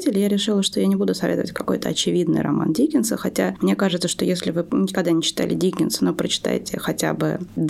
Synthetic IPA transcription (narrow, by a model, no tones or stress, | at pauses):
tʲɪlʲɪjaɾʲɪʂɨlˠəʂt̪o̞janʲɪbud̪ʊsɐvʲet̪əvətʲkɐko̞jt̪əɐt͡ɕɪvʲid̪nɨ̰jrɐ̰ma̰ndʲikʲɪnsəxɐtʲamnʲekaʐɨt̪səʂt̪ojesʲlʲɪvɨɪkɐɡ̚d̪anʲɪt͡ɕɪ̥t̪a̰lʲɪ̰dʲikʲɪnsɨno̞pɾət͡ɕɪ̥t̪a̰jtʲɪxɐtʲa̰bɨ̰d̪